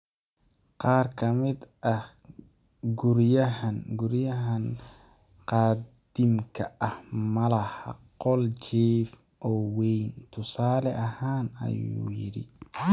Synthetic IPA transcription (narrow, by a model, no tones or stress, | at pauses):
qɑːrkʰɐmɪd̪ʔɐh | ɡʊɾjɐɦɐnɡʊɾjɐɦɐn | qɑːd̪ɪmkʰɐɐhmɐlɐhɐ̰ | qɔlt͡ʃɛːf | ʔɔːwɛjnt̪ʰʊsaːlɛʔɐhaːnɐ̰jṵːjɪ̰ɾɪ̰